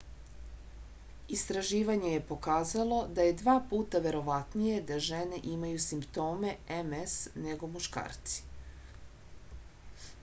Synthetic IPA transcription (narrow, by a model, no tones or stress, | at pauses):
ist̪ɾaʒiːʋaɲe̞je̞po̞kaːzalˠo̞d̪aje̞d̪ʋaːpuːt̪aʋe̞ɾo̞ʋat̪nije̞d̪aʒene̞ʔimajusimpt̪o̞ːme̞emesneɡo̞muʃka̰ːɾt̪si̥